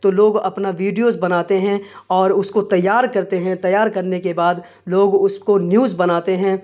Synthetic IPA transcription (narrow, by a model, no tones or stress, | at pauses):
t̪oloːɡɐ̰pnaʋiːɖijoːzbɐnaːt̪eɦɛ̃ɔːɾʊskot̪ɐjːaːɾkɐɾt̪eɦɛ̃t̪ɐjːaːɾkɐɾnekebaːd̪ | loːɡʊskonjuːzbɐnaːt̪eɦɛ̃ː